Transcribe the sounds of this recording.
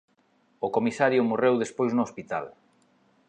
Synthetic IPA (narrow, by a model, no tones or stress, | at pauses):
ʊkomisaɾjʊmorewðespojznʊːspit̪a̰l